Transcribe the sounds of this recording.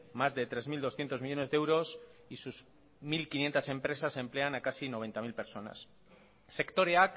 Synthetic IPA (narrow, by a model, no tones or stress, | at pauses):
mazðe̞t̪ɾe̞zmild̪o̞sθjent̪o̞zmiʝo̞ne̞zðeewɾo̞sisuz | milkinje̞nt̪ase̞mpɾe̞sase̞mple̞anakasino̞β̞e̞nt̪amilpe̞ɾso̞na̰sː | e̞kt̪o̞ɾeak